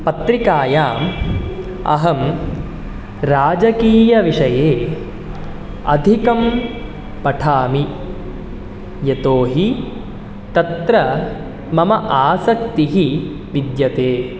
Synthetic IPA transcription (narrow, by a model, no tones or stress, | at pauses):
pɐt̪ɾikaːjaːm | ɐ̰ɦɐm | ɾaːd͡ʒɐkiːjɐʋiʂɐjeː | ɐ̰d̪ʱikɐm | pɐʈʰaːmi | jet̪oːɦi | t̪ɐt̪ɾɐ | mɐmɐʔaːsɐk̚t̪iɦi | ʋid̪jɐt̪eː